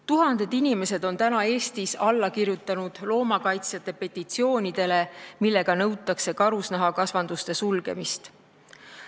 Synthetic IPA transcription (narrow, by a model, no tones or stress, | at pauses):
t̪uɦɑnd̪̥e̞d̪̥inʲime̞se̞d̪̥o̞nt̪ænɑe̞ːst̪isɑlːɑkirjut̪ːˑɑnud̪̥lo̞ːmɑkɑjt̪sjɑt̪ːˑepe̞t̪ːˑit̪sio̞ːnʲid̪̥e̞le̞milːe̞ɡ̥ɑnɤwt̪ːˑɑkse̞kɑɾusnæɦɑkɑsvɑnd̪̥ust̪e̞sulɡ̥e̞̰mist̪